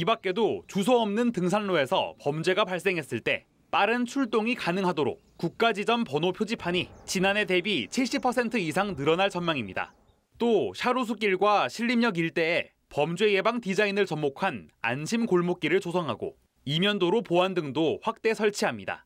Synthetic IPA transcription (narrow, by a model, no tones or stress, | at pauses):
ibak͈̚e̞dot͡ɕus̬ʰʌʌmnɯntɯŋs̬ʰanːoe̞sʰʌ̰pʌmd͡ʑwe̞ɡapaɭs͈e̞ŋɦe̞s͈ɯɭt͈e̞̰ | p͈aɾɯnt͡ɕʰuɭt͈oŋikanɯŋɦadoɾo̰k̚kuk̚k͈ad͡ʑid͡ʑʌnpʌnopʰjod͡ʑipʰaɲit͡ɕinane̞te̞bit͡ɕʰiɭɕ͈ipʰʌsʰe̞ntʰɯisʰaŋnɯɾʌnaɭt͡ɕʌnmaŋimɲida̰ | t͈oɕʰaɾus̬ʰuk̬͈iɭɡwaɕʰiʎːimɲʌɡiɭt͈e̞ː | pʌmd͡ʑwe̞je̞baŋtid͡ʑainɯɭt͡ɕʌmmokʰana̰nɕʰimkoɭmok͈̚iɾɯɭt͡ɕosʰʌŋɦaɡo̰ | imjʌndoɾopoandɯŋdoɸwak̚t͈e̞sʰʌɭt͡ɕʰiɦamɲida̰